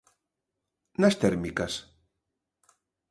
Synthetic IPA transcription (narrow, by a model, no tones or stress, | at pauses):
nast̪ɛɾmikas